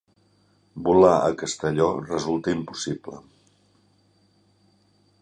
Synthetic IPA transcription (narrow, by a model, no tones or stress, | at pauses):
bulaʔə̰kəst̪əʎɔrəzulˠt̪əimpu̥siblə̰